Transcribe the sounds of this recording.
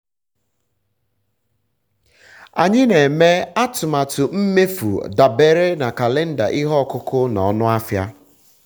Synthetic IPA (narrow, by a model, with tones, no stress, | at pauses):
a̰˨ɲɪ˦ne˨me˦a˦tʊ˨ma˨tʊ˨m̩˦me˦fṵ˨da˨be˦ɾe˦na˨ka˨le˦n̩˦da̰˨ʔɪ˦ɦɔ˦˨kʊ˦kʊ˦nɔ˨˦nʊ˦a˦fja̰˦